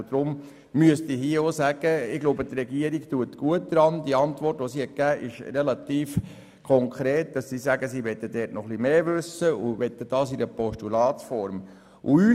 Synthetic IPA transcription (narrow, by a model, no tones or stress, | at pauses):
d̥ɾʊm | myəstiɦiəosæɡ̥əɪɡ̥loʊbət̪rɛɡiəɾiktuətɡ̥uət̚d̥ɾɑnd̥iəɑntʋɔrtʋosihɛt̚kæːʔɪʃrɛlɑt̪iːf | kʰɔŋkʰɾeːt̚d̥ɑssiːsæɡəsiːʋɛt̪ːədɛːtnɔχlimeːvʉsəuʋɛt̪ːəd̥ɑːsiɾəpɔʃtulɑːtfɔɾm | ʔṵyː